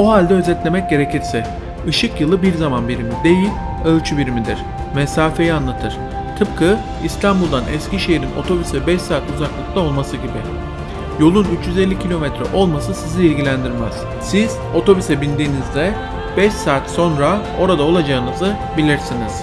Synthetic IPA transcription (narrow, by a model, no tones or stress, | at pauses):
oɦalʲd̪ɛø̞zɛt̪lʲe̞mɛc̚ɟe̞ɾe̞cʰiɾsɛ | ɯʃɯkjɯlˠɯbiɾzamanbiɾimid̪e̞jilʲ | ølʲt͡ʃʰybiɾimid̪iɾ̥ | mɛsaːfe̞jianlˠat̪ʰɯɾ̥ | t̪ʰɯp̚kʰɯ | ist̪ʰambulˠd̪anʔɛ̰sciʃe̞jiɾino̞̰t̪ʰo̞bysɛbɛʃsaːt̪uzaklˠɯklˠao̞lˠmasɯɟibɪ | jo̞lˠunyt͡ʃjyzelʲːicʰilʲo̞mɛt̪ɾɛ̰ʔo̞lˠmasɯsiziilʲɟilʲænd̪iɾmæz̥ | siz̥o̞t̪ʰo̞bysɛbinʲd̪iːnizd̪ɛ | b̥ɛʃsaːt̪so̞nɾa | o̞ɾad̪ao̞lˠad͡ʒaɯnɯzɯ | bilʲiɾsiniz̥